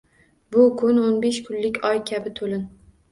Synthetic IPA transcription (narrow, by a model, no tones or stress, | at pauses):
bʊkʰʊnonbeʃkʰʊnlɪkʲɒjkʲʰabɪt̪ʰolɪn